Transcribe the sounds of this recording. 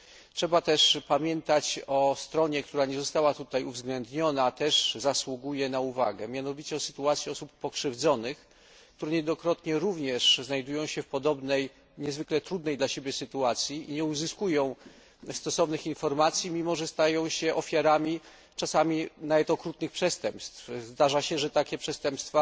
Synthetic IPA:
tʂɛbat̪ɛʂpamʲjɛnt̪at͡ɕɔst̪ɾɔɲɛk̚t̪uɾaɲɛzɔst̪awat̪ut̪ajuvzɡlɛnd̪ɲɔnat̪ɛʐzaswuɡujɛnauva̰ɡɛmʲjanɔvʲit͡ɕɛɔsɘ̥t̪uat̪sʲiɔsupːɔkʂɘvd̪zɔnɘx | kt̪uɾɛɲɛd̪ɔkɾɔt̪ɲɛɾuvɲɛʂznajd̪ujɔ̃w̃ɕɛfpɔd̪ɔbnɛj | ɲɛzvɘklɛt̪ɾud̪nɛjd̪laɕebʲjɛsɘt̪uat̪sʲjiiɲɛuzɘskujɔ̃w̃ | st̪ɔsɔvnɘxinfɔɾmat̪sʲjimʲimɔʐɛst̪ajɔ̃w̃ɕɛʔɔfʲjaɾamʲi | t͡ʂasamʲinavɛt̪ɔkɾut̪nɘxpʂɛst̪ɛmpst̪fzd̪aʐaɕɛʐɛt̪akʲɛpʂɛst̪ɛmpst̪fa

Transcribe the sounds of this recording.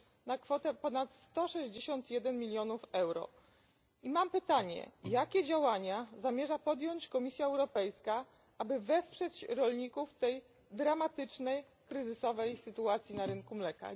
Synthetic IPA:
nakfɔt̪ɛpɔnat̪st̪ɔʂɛʑd͡ʑeɕɔnt̪jɛd̪ɛnmʲilʲjɔnufɛwɾɔ̰ | imampɘt̪aɲɛ̰jakʲɛd͡ʑawaɲazamʲjɛʐapɔd̪jɔɲt͡ɕkɔmʲisʲjaɛwɾɔpɛjska | abɘvɛspʂɛt͡ɕɾɔlɲikuft̪ɛj | d̪ɾamat̪ɘt͡ʂnɛj | kɾɘzɘsɔvɛjsɘt̪uat̪sʲjinaɾɘŋkumlɛka̰

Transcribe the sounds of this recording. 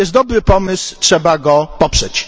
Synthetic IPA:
jɛst̪d̪ɔbɾɘpɔmɘswtʂɛbaɡɔpɔpʂɛt͡ɕ

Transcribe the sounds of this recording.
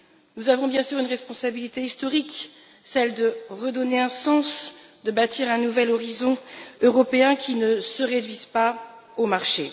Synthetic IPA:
nuzavɔ̃bjɛ̃syʁynʁɛspɔ̃sabilit̪eist̪ɔʁik | sɛld̪əʁəd̪ɔneɛ̃sɑ̃sd̪əbat̪ʰiʁɛ̃nuvɛlɔʁizɔ̃øʁɔpeɛ̃kʲʰinəsəʁed̪ɥizpa | omaʁʃe

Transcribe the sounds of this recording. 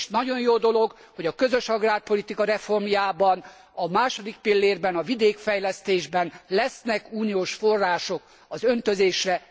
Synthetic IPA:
ʃnɒɟo̞njoːd̪o̞lo̞ɡ | ho̞ɟɒkøzø̞ʃɒɡraːrpo̞lit̪ikɒɾɛfo̞rmjaːbɒn | ɒmaːʃo̞d̪ik̚pilːeːrbɛnɒvid̪eːkfɛjlɛst̪eːʒbɛnlɛsnɛkuːnioːʃfo̞rːaːʃo̞k | ɒzø̞nt̪ø̞zeːʃrɛ

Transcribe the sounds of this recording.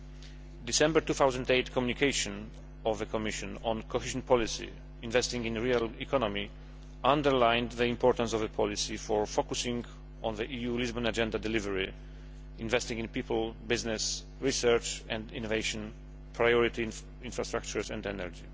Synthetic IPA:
d̪isɛ̃mbɛɹt̪uθawzãnd̪ejt̪kʰɔmjunikʰeɪʃɔ̃n | ɔvðəkʰɔmiʃɔ̃nɔ̃nkʰɔhiʒɔ̃npʰɔlisḭ | ĩnvɛst̪ĩŋɡĩnɹialikʰɔnɔmi | ãndəɹlãjnðəĩmpʰɔɹt̪ãnsɔvðəpʰɔlisifɔɹfokusĩŋɡ | ʔɔ̃nðəʔijulizbɔ̃nad͡ʒɛ̃nd̪ad̪ɛlivɛɹi | ĩnvɛst̪ĩŋɡĩnpipəlbɪznɛs | ɹisɛɹt͡ʃɛ̃nd̪ḭ̃nɔvejʃɔ̃n | pʰɹajɔɹit̪i | ĩnfɹast̪ɹak̚t͡ʃuɹsɛ̰̃ndɛnɛɹd͡ʒi

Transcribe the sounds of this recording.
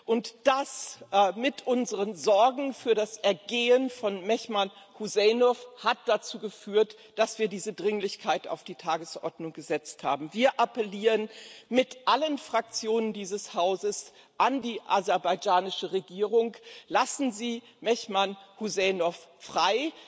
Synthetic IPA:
ʔʊntd̥asmɪtʔʊnzəʁənzɔɐɡŋ̩fyːɐɾasʔɛɐɡeːənfɔnmɛçmanhuzɛːnɔfhat̚d̥at͡suːɡəfyːɐt | d̥asv̥iːɐdiːzədʁɪŋlɪçkʰaɪta̰ʊfd̥iːtʰaːɡəsʔɔ̰ɐdnʊŋɡəzɛt͡stha̰ːbm̩viːɐʔapɛliːʁənmɪtʔalənfʁ̥ak̚t͡sjoːnəndiːzəshaʊzəs | ʔandiːʔazɛɐbaɪd͡ʒaːnɪʃəʁeɡiːʁʊŋlasn̩ziː | mɛçmanhuzɛnɔffʁ̥aɪ

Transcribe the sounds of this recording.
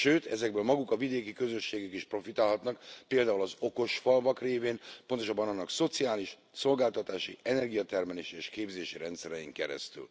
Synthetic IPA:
ʃøːt̪ɛzɛɡ̚bøːlmɒɡukɒvid̪eːkikø̞zø̞ʃːeːɡykiʃpro̞fit̪aːlɦɒt̪nɒkpeːld̪aːulɒzo̞ko̞ʃfɒlvɒkreːveːnpo̞nt̪o̞ʃɒbːɒnɒnːɒkso̞t̪siaːliʃ | so̞lɡaːlt̪ɒt̪aːʃiɛnɛrɡijɒt̪ɛrmɛleːʃieːʃkeːbzeːʃiɾɛnt̪sɛɾɛjiŋkɛɾɛ̰st̪y̰l

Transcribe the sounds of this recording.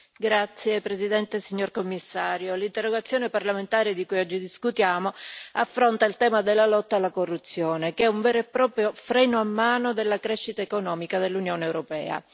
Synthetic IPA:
ɡɾat̪sːjepɾezid̪ɛnt̪esiɲːorkomːisːaːɾjolint̪erːoɡat̪sːjoːneparlament̪aːɾed̪ikujɔd͡ʒːid̪iskut̪jaːmoafːɾont̪ailt̪ɛːmad̪elːalɔt̪ːalːakorːut̪sːjoːnekɛuɱvɛːɾoepːɾɔːpɾjofɾɛːnoamːaːnod̪elːakɾɛʃːit̪aekonɔːmikad̪elːunjoːneːwɾopɛ̰ːa̰

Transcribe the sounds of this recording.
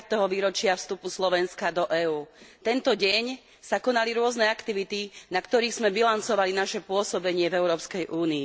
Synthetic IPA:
t̪ːɛɦɔʋiːɾɔt͡ʃɪafst̪upuslɔʋɛnskad̪ɔʔɛːuːt̪ɛnt̪ɔɟɛɲ | sakɔnaliɾʊɔznɛakt̪iʋit̪inakt̪ɔɾiːɣz̥mɛbilant͡sɔʋalinaʃɛpʊɔsɔbɛɲɪɛvɛʊɾɔːpskɛjʔuːniː

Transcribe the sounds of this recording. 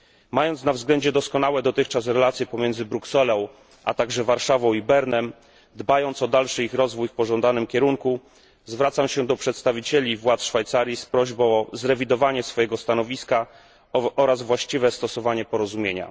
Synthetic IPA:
majɔnt̪snavzɡlɛɲd͡ʑɛd̪ɔskɔn̪awɛd̪ɔt̪ɘxt͡ʂasɾɛlat̪sʲjɛpɔmʲjɛnd̪zɘbɾuksɛlɔ̃w̃ | ʔa̰t̪aɡʐɛvaɾʂavɔ̃w̃ibɛɾnɛm | d̪bajɔnt̪sɔd̪alʂɘixɾɔzvujfpɔʐɔnd̪anɘmkʲɛɾuŋku | zvɾat̪samɕɛd̪ɔpʂɛt̪st̪avʲit͡ɕelʲivwat̪sʂfajt̪saɾʲjispɾɔʑbɔ̃w̃ɔzɾɛvʲid̪ɔvaɲɛsfɔjɛɡɔst̪anɔvʲiska | ɔɾazvwaɕt͡ɕivɛst̪ɔsɔvaɲɛpɔɾɔzumʲjeɲa̰

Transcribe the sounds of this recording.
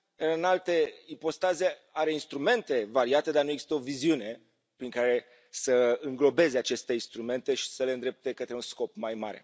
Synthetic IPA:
ɨɨnalt̪e̞ipo̞st̪azeaɾe̞inst̪ɾume̞nt̪e̞vaɾiat̪e̞d̪arnujeɡz̥ist̪əo̞viziune̞ | pɾiŋkaɾe̞ | səɨŋɡlo̞be̞ze̞at͡ʃe̞st̪e̞inst̪ɾume̞nt̪e̞ʃi̥səleɨnd̪ɾep̚t̪e̞kət̪ɾeunsko̞pmajma̰ɾe̞̰

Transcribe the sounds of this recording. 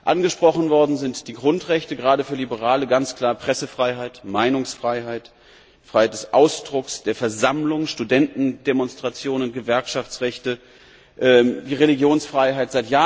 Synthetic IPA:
ʔanɡəʃpʁ̥ɔχn̩vɔɐdn̩zɪntd̥iːɡʁʊntʁɛçtəɡʁaːdəfyːɐlibəʁaːləɡant͡skl̥aːɐpʁ̥ɛsəfʁ̥aɪɦaɪtmaɪnʊŋsfʁ̥aɪɦaɪt | fʁ̥aɪhaɪtd̥ɛsʔaʊsd̥ʁʊksd̥eːɐfɛɐzamlʊŋʃtudɛntn̩demɔnstʁ̥at͡sjoːnʊnɡ̥əvɛɐkʃaft͡sʁɛçtə | ʔɛːdiːʁeliɡjoːnsfʁ̥aɪɦaɪtz̥aɪtjaː

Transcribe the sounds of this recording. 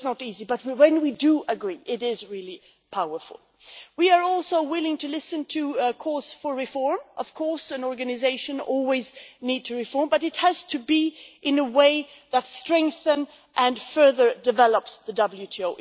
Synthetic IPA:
znəɾizibʌt̚wɨ̃nwidɨʔəɡɹiʔɪɾɪzɹɪlˠi | pʰaʊə˞fʊ̰l̩ˠ | wiə˞ɔlˠsoʊwɪlˠɪ̃ŋtʰɨlɪsɨ̃ntʰɨkʰɔɹsfə˞ɹɨfɔɹmʔʌv̥kʰɔɹsɨ̃nɔɹɡɨnɨzeɪʃɨ̃nɔ̰lˠwiznid̚tʰɨɹɨfɔɹmbʌɾɨt̚hɨz̥tʰɨbiʔɪ̃nəweɪ | ðətstɹ̥ɛ̃ŋk̚θə̃n | ʔɨ̃nfɜ˞ðə˞dɨvɛlˠəpsðɨdʌbl̩ˠjʉtʰioʊ

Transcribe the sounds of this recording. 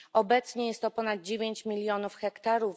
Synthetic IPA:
ɔbɛt̪sɲɛjɛst̪ːɔpɔnad̪̚d͡ʑevʲjeɲt͡ɕmʲilʲjɔnufxɛkt̪aɾu

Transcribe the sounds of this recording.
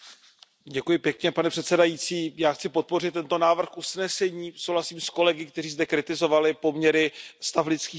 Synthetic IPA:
ɟɛkujɪpjɛkɲɛpanɛpr̥ɛt̪sɛdajit͡siːjaːxt͡sɪpo̞t̪̚po̞rɪt̪ːɛnt̪o̞naːvr̩xʔusnɛsɛɲiːsowlasiːmsko̞lɛɡɪkt̪ɛriːzdɛkɾɪt̪ɪzo̞valɪpo̞mɲɛɾɪst̪aflɪt͡skiː

